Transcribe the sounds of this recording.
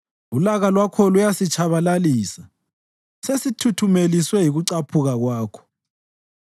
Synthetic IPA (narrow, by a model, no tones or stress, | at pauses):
ulaɣalwakʰɔlujasit͡ʃʰaβalaliːsa | sesitʰutʰumeliswɛjiɣuǀapʰuɣaɣwaːkʰɔ̥